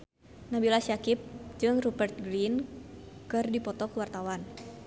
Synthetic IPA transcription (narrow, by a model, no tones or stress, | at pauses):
nabilasiakip̚d͡ʒɨŋrubərt̪̚ɡɾinkɨrdipɔt̪ɔkəwart̪awan